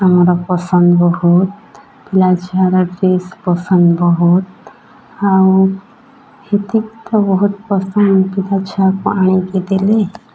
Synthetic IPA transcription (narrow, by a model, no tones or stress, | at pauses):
amɾəpəsənd̪bəɦut̪̚ | pilat͡ʃaɾaʈespəsənd̪bəɦut̪ | aw | het̪ik̚t̪əbəɦut̪pəsənd̪pilat͡ɕʰapaɳ̃iked̪ele